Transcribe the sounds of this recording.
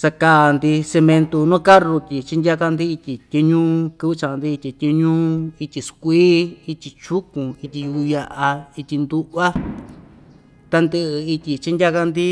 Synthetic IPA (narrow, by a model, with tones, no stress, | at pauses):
sa˧ka˦˧nd̪i˧se˧mẽ˧nt̪u˧nũ˦ka˦ɾu˧t̪ʲi˨t͡ʃĩ˦˧ndʲja˦ka˧nd̪i˦i˧t̪ʲi˨t̪ʲi˧ɲũ˦˧kɨ˧βu˦t͡ʃa˧˨ʔã˧nd̪i˧i˧t̪ʲi˨t̪ʲi˧ɲũ˦i˧t̪ʲi˧skʷiː˦i˧t̪ʲi˧t͡ʃu˦kũ˨i˧t̪ʲi˧ju˧ja˧ʔa˧i˧t̪ʲi˧nd̪u˦ʔa˦ | t̪a˧nd̪ɨ˧ʔɨ˧i˧t̪ʲi˧t͡ʃi˦ndʲa˦ka˧nd̪i˦